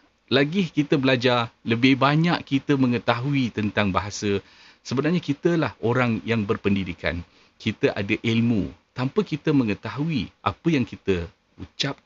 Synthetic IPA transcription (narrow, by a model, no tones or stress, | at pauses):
laɡɪhkit̪əbəlad͡ʒarləbɪhbaɲaʔkit̪əmə̃ŋət̪aɦuit̪ənt̪aŋbaɦasə | səbənarɲakit̪əlahoɾaŋjaŋbərpəndidika̰n | kʰit̪əʔa̰daʔilmṵ̃t̪ampəkit̪əmə̃ŋət̪aɦuiʔa̰pəjaŋkit̪ə | ṵt͡ʃap̚